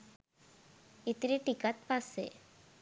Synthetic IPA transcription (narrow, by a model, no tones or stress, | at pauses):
it̪ɾiʈikat̪̚pasːḛ